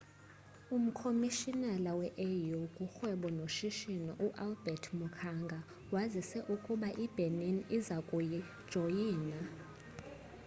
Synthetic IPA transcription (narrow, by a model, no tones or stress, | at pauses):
um̩kʰomiʃinalawɛʔejukʼuxwɛɓɔnoʃiʃinɔʔuʔalbɛtʰmukʰaŋɡʱa | wazisɛʔukʼuɓaʔib̥ʱeninizakʼuji̥ | ʒ̥ʱojiːna